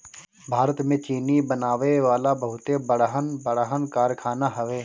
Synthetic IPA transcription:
bʱaːɾət̪mẽt͡ʃiːnibənaːʋeʋaːlabəɦʊt̪ebəɽɦənbəɽaɦənkaːɾkʰaːnaɦɐʋeː

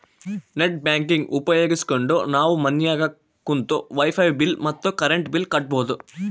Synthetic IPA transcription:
neʈ̚bjaːŋkiŋɡʔupɐjo̞ːɡiskoɳɖo̰ːnaːʋumɐnjaːɡɐ | kːunt̪oːʋɐjpʰɐjbilmɐt̪ːokɐɾeɳʈbilkɐʈ̚boːt̪u

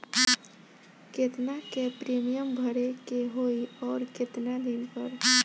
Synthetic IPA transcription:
ket̪nakepɾemijəmbʱəɾekeɦoiɔːɾket̪nad̪inpəɾ

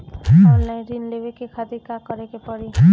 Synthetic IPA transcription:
ɦɛ̃lːãɾinlebekekʰad̪ikakɔɾekepɔɽiɦ

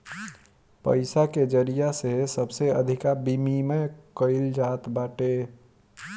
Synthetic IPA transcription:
pə̰ɪsaked͡ʒəɾijaseɦesəbseəd̪ʱikabimimekəɪld͡ʒat̪baʈe

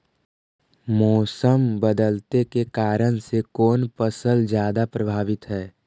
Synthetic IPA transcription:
mɔːsəmbəd̪əlt̪ekekaːɾəñsekɔːnpəsəld͡ʒjaːd̪apɾəbʱaːʋɪt̪ɦɛː

